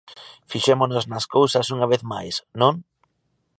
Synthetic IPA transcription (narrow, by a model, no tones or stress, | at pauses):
fiʃemonoznɐskowsɐsuŋaβ̞eθma̰jsnõŋ